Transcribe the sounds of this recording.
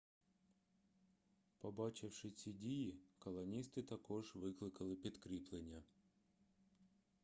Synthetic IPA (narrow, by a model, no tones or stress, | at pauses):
pɐbɑt͡ɕɪwʂɪsʲidʲijikɐlˠɐnʲist̪ɨt̪ɐkɔʐʋɪklˠɪkɐlˠɪpʲit̪kɾʲiplˠenʲjɐ